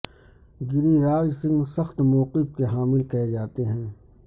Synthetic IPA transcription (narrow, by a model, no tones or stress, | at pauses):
ɡɪɾiɾaːd͡ʒsɪ̃ŋɡsɐxt̪mɔːqɪfkeɦaːmɪlkɛɦed͡ʒaːt̪eɦɛ̃ː